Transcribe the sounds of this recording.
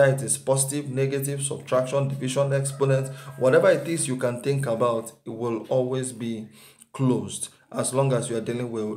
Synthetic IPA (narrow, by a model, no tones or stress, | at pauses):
atispɔsɪtivnɛɡativ̥sɔ̰b̥̚tʰɹakʃɔ̃ndiviʃɔ̃nɛksponɛ̃ntwɔɾɛvəitθĩsjukãnθɪ̃ŋkabaʊtwɪlɔlwezbi | kʰlozd | ʔaslɔ̃ŋɡasjuadilĩŋwɪ